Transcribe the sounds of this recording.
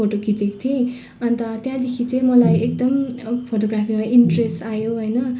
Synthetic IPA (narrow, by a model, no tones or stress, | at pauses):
oʈokʰit͡sikt̪ʰiĩ | ʌnt̪ʌt̪jãd̪ekʰit͡sʌ̃ĩmʌlajek̚d̪ʌmpʰoʈoɡrapʰimaʔiɳʈresʈajoɦʌjnʌ